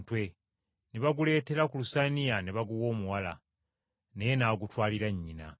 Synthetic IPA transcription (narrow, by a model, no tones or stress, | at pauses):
twe̞ | neβaɡule̞ːte̞ɾakulusanijaneβaɡuwo̞ːmuwala̰ | nejenaːɡutwaːliɾaɲːina̰